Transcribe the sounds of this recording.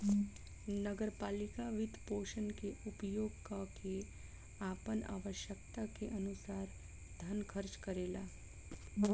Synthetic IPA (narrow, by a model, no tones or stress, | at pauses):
nəɡəɾpaːlɪkaʋɪd̪ʱpoːʃənkeʔʊpjoːɡkakʰe | aːpəna̰ːʋəʃjək̚t̪akeʔɐnʊsaːɾ | d̪ʱənkʰəɾt͡ʃkəɾeːlaː